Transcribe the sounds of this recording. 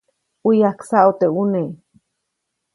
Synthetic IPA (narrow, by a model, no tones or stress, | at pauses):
ujaksaʔut̪eune